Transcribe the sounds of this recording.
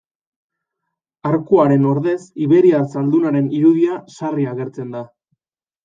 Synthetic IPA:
aɾkuaɾe̞no̞ɾðe̞siβe̞ɾiasald̪unaɾe̞niɾuðiasariaɣe̞ɾt͡se̞nd̪a

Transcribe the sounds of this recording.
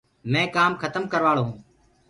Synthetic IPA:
mɛ̃ːkaːmkʰət̪əmkəɾʋaːɭõː

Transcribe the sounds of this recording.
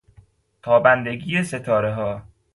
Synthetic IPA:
t̪ʰɒːbænd̪eɡiːese̞t̪ʰɒːɾeɦɒː

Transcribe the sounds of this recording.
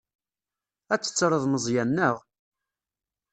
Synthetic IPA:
æt͡sːə̥t͡sːɾˤəðˤməzˤjænːəʁ

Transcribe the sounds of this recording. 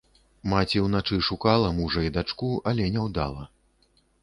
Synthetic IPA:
mat͡sʲiwnat͡ʂɨʂukalˠɐmuʐɐid̪at͡ʂkuɐlʲɛnʲɛwd̪a̰lˠɐ

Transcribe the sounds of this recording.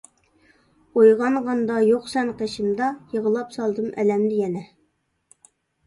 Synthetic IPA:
ojʁɑnʁɑnd̪ɑjoqsɛnqʰeʃimd̪ɑjəʁəlˠɑpsɑlˠd̪ɨmʔɛ̰lɛmd̪ɪjɛnɛ

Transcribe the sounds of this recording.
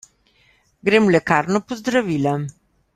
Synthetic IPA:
ɡɾemlɛkaːɾnɔpɔzd̪ɾaʋiːla

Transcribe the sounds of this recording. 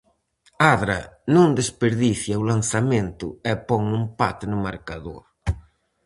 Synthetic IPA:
aðɾɐ̰nõnd̪espeɾðiθjɐʊlan̟θamẽnt̪ʊ̰ɛpɔŋumpa̰t̪ɪnʊmaɾkaðo̰ɾ

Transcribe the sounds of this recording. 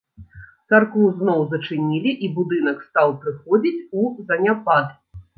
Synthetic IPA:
t̪sarkuznɔwzɐt͡ʂɨnʲilʲiʔibud̪ɨnɐkst̪awpɾɨxɔd͡zʲit͡sʲuzɐnʲapad̪

